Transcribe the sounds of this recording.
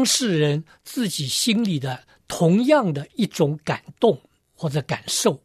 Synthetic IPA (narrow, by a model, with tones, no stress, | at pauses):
ŋʂɻ̩˥˩ɻə˧˥n | t͡sɹ̩˥˩t͡ɕi˨˩ɕi˥nli˨˩d̪ə˦ | t̪ʰʊ˧˥ŋjɑ˥˩ŋd̪ə˩i˥˩ʈ͡ʂʊ˧˥ŋka˨˩nt̪ʊ˥˧ŋ | xwɔ˥˩ʈ͡ʂɤ˨˩˦ka˨˩nʂo˥˩ʊ